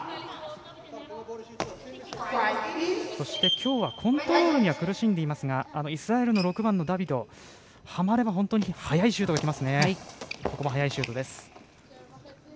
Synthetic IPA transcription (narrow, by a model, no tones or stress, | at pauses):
so̞ɕi̥t̪e̞kʲʰo̞ːβakʰõ̞nt̪oɾo̞ɾoɲ̟iβakɯ̟ɾɯ̟ɕĩnd̪e̞imasɨŋaːno̞isɨɾae̞ɾɯno̞ɾo̞kɯ̟bãnːo̞d̪abʲid̪o̞ | hamaɾe̞baɦõ̞nt̪o̞ɲ̟ihajaiɕɨ̟ːt̪oɡakʲimasɨne̞ko̞ko̞baɦajaiɕɨːt̪o̞d̪e̞sɨ̥